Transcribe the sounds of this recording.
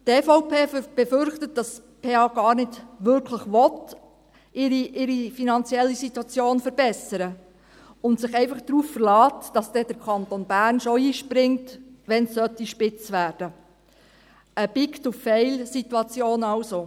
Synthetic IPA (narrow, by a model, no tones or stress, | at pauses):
tɛːfɔʊpʰeːb̥ɛfʏɾχtət̚d̥ɑs | pʰeːɑːɡ̥ɑːɾnɪdʋʏɾkʰləχʋɔt | ʔɪɾiʔɪɾifinɑnt͡sjɛlːisitwɑt͡sjoːnfəɾbɛsəɾə | ʊntsɪχɛɪfɑχd̥ɾuːffəɾlɑːtd̥ɑsd̥ɛd̥əɾkʰɑntonbæɾnʃoiːʃpɾɪŋtʋɛnssœt̪iʃpɪt͡sʋæːɾd̥ə | əb̥ɪktuffɛɪlsituɑt͡sjoːnɑʊso